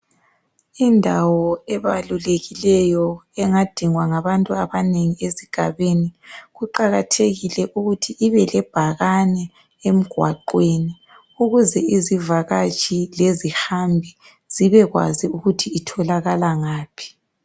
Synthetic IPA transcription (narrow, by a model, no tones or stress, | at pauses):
indʱawɔɛβaluleɣilɛjɔɛŋad̥ʱiŋwaŋaβantʼuaβaneŋieziɡ̥ʱa̰βeniɣuǃaɣatʰeɣilɛʔuɣutʰiʔiβɛlɛb̥ʱaɣanɛ | em̩ɡ̥ʱwa̰ǃweːni | uɣuzɛʔizivaɣat͡ʃʼilezihambʱi | z̥iβɛɣwa̰ziuɣutʰiːtʰɔlaɣalaŋaːpʰi̥